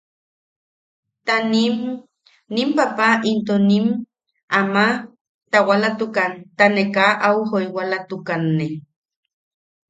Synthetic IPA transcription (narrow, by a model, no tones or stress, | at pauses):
t̪anim | nimpapaint̪onim | ama | t̪awalat̪ukant̪anekaʔawhojwalat̪ukanːe